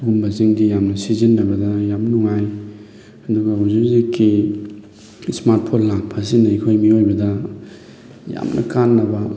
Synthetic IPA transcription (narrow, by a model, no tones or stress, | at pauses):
ɡumbɐziŋɡijamnɐsizinːɐbɐdɐjamnuŋaj | ɐduɡɐuzuziki | smaɾt̚pʰonlaŋpʰas̬inɐjkʰojmiojbɐdɐ | ja̰mnʔɐ̰kanːɐbɐ